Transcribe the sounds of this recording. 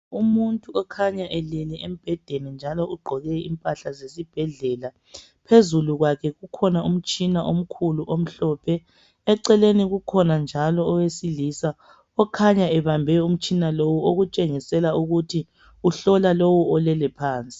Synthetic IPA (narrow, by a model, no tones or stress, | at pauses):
umuntʼuɔkʰaɲaʔɛlɛlɛem̩b̥ʱɛd̥ʱenind͡ʒʱalɔʔuɡ͡ǃʱɔɣɛḭmpʼaɬazesib̥ʱɛɮɛla | pʰezuluɣwakʰɛɣukʰɔnaum̩t͡ʃʼinaʔom̩kʰuluʔom̩ɬɔːpʰɛ | ɛǀɛleniɣukʰɔnand͡ʒʱalɔːwesilisa | ɔkʰaɲaɛβambʱɛum̩t͡ʃʼinalowuoɣut͡ʃʼeŋisɛlauɣutʰi | uɬɔlalowuɔlɛlɛpʰaːnt͡sʼi̥